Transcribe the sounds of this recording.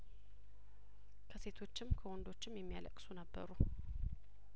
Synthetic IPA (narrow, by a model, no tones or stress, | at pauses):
kʰəse̞t̪ʰo̞t͡ʃːɪmkʰəwɔnd̪o̞t͡ʃːɪmjɛmːija̰lə̰kʼsunəbːə̰ɾu